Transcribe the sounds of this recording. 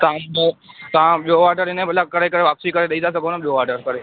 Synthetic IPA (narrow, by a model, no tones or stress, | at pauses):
t̪ã | t̪ɐãɓijoaːʈəɾɪnẽbəlakɐɾekəɾeʋaːpsikɐɾeɗɐid̪as̬ɐɡʱonəɓijoʋaːʈəɾkɐɾe